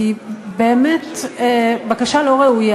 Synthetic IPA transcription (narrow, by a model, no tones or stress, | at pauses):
ibeːmet | bakaʃalo̞ʁeuja